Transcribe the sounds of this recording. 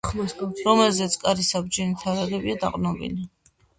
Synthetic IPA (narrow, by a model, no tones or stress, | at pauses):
χlɔsɾɔmɛlzɛt̪sʰkʼaɾisab̚d͡ʒɛnit̪ʰaɾaɾɛbiad̪aqʼnɔbḭli